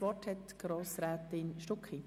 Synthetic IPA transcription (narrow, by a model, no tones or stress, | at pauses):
vɔthɛt̪ɡ̥ɾoːsɾæːt̪ɪnʃtʊkχi